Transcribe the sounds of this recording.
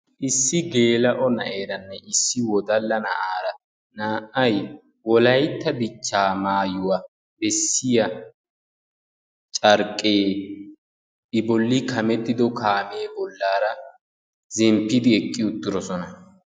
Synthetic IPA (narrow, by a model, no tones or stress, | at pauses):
ʔɪsːɪɡe̞ːlɐʔɔnɐʔeːɾɐnːɛɪsːɪwɔd̪ɐlːɐnɐ̰ʔaːɾɐ | naːʔɐj | wɔlɐjt̪ːɐd̪ɪt͡ʃːaːmaːjʊwa | bɛsːɪjɐ | t͡ʃʼɐɾkʼːeː | ɪbɔlːɪkɐmɛt̪ːɪd̪ɔkaːmeːbɔlːaːɾɐ | zɛmpːɪd̪ɪɛkʼːɪʊt̪ːɪɾɔsɔnɐ